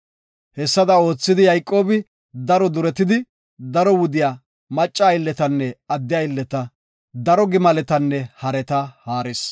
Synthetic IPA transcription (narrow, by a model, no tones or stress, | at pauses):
hɛsːɐd̪ɐo̞ːt͡sːɪd̪ɪjɐjkʼːo̞ːbɪ | d̪ɐɾɔd̪ʊɾɛt̪ɪd̪ɪ | d̪ɐɾɔwʊd̪ɪjaː | mɐt͡ʃʼːaːjɪlːɛt̪ɐnːɛɐd̪ːɪjɐɪlːɛt̪ɐ | d̪ɐɾɔɡɪmɐlɛt̪ɐnːɛhɐɾɛt̪ɐhaːɾɪs